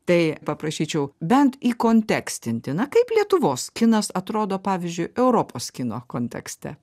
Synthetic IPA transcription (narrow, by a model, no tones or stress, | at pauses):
t̪ɐɪpɐpɾɐʃʲiːt͡ʃʲɛʊbʲɛnt̪iːkoːnʲt̪ʲæːksʲt̪ʲɪnʲt̪ʲɪnɐkɐɪplʲiɛt̪ʊʋoːskʲɪnɐsɐt̪ɾoːd̪oːpɑːʋʲɪzʲd͡ʒʲʊɪɛʊɾoːpoːskʲɪnoːkoːnʲt̪ʲɛ̰ksʲt̪ʲɛ̰